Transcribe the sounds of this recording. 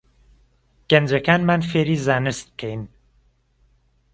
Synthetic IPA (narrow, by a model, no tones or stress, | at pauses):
ɡ̥end͡ʒekʰænmænfeɾizænɨst̪̚kʰejn